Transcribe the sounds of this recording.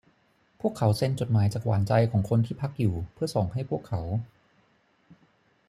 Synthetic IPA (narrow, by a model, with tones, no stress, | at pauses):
pʰu˥˩əkʰːa˩˦wse˧nt͡ɕo˨˩t̪̚maː˩˦jt͡ɕaː˨˩k̚wa̰ː˩˦nt͡ɕa˧jkʰɔː˩˦ŋkʰo˧nt̪ʰiː˥˩pʰa˦˥k̚juː˨˩pʰɯ˥˩ɐsoː˨˩ŋɦa˥˩jpʰu˥˩əkʰːa˩˦w